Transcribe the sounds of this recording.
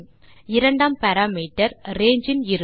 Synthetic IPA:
ɪɾɐɳɖaːmpɐɾaːmiːʈːɐɾɾeːɲd͡ʒɪnɪɾɯ

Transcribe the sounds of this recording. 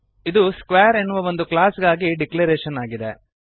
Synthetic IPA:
id̪uskʋeːɐɾenːuʋɐʋo̞nd̪uklaːsɡaːɡiɖikleɾeːʃɐnaːɡid̪ḛ

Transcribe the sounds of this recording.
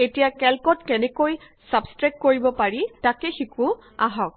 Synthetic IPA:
etijakɛlkɔtkɛnɛkoj | sabstɹɛkkoɹibɔpaɹitakɛxiku | aɦɔk̚

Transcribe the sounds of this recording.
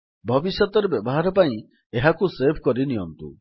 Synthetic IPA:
bʱɔbisjɔt̪ɔɾebjɔbɔɦaɾɔpaĩ | eɦakusepʰkɔɾinijɔnt̪ṵ

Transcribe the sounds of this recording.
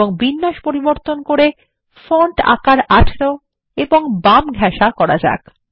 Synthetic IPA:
oŋbinːaʃpoɾiboɾt̪onkoɾe | foɳʈa̰kaɾaʈʰɾo | eboŋbamɡʱɛʃakɔɾad͡ʑa̰k

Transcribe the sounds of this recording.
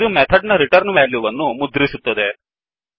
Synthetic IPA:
d̪umet̪ʰɐɖnɐɾiʈɐɾnʋæːljuʋɐnːumud̪ɾisut̪ːɐd̪e

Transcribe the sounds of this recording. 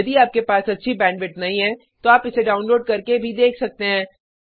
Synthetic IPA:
ɐd̪iaːp̚kepaːsɐtːʃʰibɛ̃ːɳɖʋɪʈnɐɦĩɦɛ̃ː | t̪oaːpɪseɖaːʊnloːɖkɐɾkebʱid̪eːkʰsɐk̚t̪eɦɛ̃ː

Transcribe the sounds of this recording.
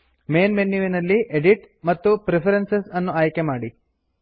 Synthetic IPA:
meːnmenːiʋinɐlːiʔeɖiʈ | mɐt̪ːupɾepʰɐɾensesɐnːuaːjkemaːɽi

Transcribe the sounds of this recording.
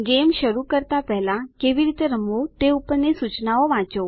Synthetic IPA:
ɡemʃəɾukəɾt̪apɛɦlãkeʋiɾit̪eɾəmot̪eupəɾnesut͡ʃnaoʋãt͡ʃo

